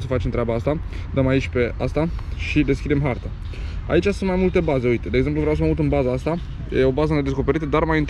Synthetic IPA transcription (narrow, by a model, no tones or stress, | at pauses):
səfat͡ʃemnt̪ɾeabaast̪a | d̪əmait͡ʃʲpe̞a̰st̪aʃid̪e̞skʲid̪e̞mɦart̪ə | a̰it͡ʃʲasunmajmult̪e̞baze̞ujt̪ed̪eɡze̞mpluvɾeaws̬əmaut̪ɨnbazaast̪a | jeo̞bazəne̞d̪e̞sko̞pe̞ɾit̪əd̪armajint̪